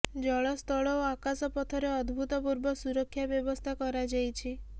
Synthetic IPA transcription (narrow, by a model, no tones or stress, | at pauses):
d͡ʒɔɭɔst̪ʰɔɭɔoakasɔpɔt̪ʰɔɾeɔd̪bʱut̪ɔpuɾbɔsuɾɔkʰːjabjɔbɔst̪ʰakɔɾad͡ʒajt͡ʃʰi